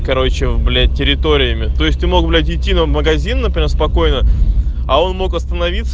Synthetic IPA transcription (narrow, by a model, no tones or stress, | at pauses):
kɐɾo̞t͡ɕɪvblʲætʲɪɾʲɪt̪o̞ɾʲɪjəmʲɪt̪o̞ɪsʲt̪ʲɨmo̞kblʲæt̬ʲɪtʲːinəməɡɐzʲinːəpɾʲɪmʲespɐko̞jnə | ɐo̞nmo̞kɐst̪ənɐvʲit̪s